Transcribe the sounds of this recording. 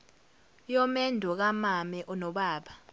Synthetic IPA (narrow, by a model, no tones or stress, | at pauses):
jɔmɛndʱɔk̬amamɛʔɔnɔɓaːɓa